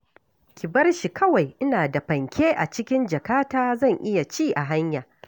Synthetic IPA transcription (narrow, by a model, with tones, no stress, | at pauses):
kʲɪ˨bɐ˦rʃi˨kɐ˦wa˨jʔɪ˦naː˨da˨ɸɐ˨ŋkʲʰeː˦ʔa̰˨t͡ʃɪ˦kʲɪ˦nd͡ʒɐ˨kaː˦taː˦zɐ˦˨ŋʔɪ˦ja˨t͡ʃiː˦˨ʔa˨ɦa˦ɲjaː˨